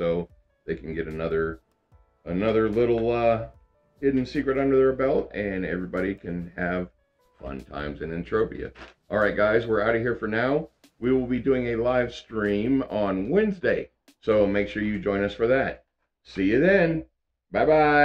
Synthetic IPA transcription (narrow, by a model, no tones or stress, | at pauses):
soʊ | ðeɪkʰn̩ɡɛɾɨnʌðə˞ | ənʌðə˞lɪɾl̩ˠʌ | hɪdⁿn̩sikɹɨɾʌ̃ndə˞ðə˞bɛlˠt̚ɨ̃nɛ̰vɹibɑɾikʰɨ̃nɨv̥ | fʌ̰̃ntʰã̰ɪ̃mzɨ̃nɨ̃ntʰɹ̥oʊpḭɨ̰ʔɔlˠɹaɪt̚ɡ̥aɪzwɪɹaʊɾɨɦiɹfə˞naʊ | wiwɪlˠbidʉɪ̃ŋɨlaɪv̥stɹ̥ĩmə̃nwɛ̃nzdeɪ | soʊmeɪkʃʊɹjɨd͡ʒɔ̃ɪ̃nʌsfə˞ðæt̚ | sijɨðɨ̃n | b̥aɪbaɪ